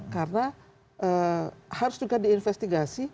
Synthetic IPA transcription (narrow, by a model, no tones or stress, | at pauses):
kaɾna | haɾstukadiinfɛst̪iɡasi